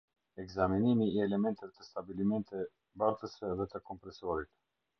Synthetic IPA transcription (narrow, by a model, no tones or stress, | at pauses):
ɛkzaminimiːɛlɛmɛnt̪ɛvɛt̪əst̪abilimɛnt̪ɛ | baɾt̪əsɛðɛt̪əkɔmpɾɛsɔɾit̪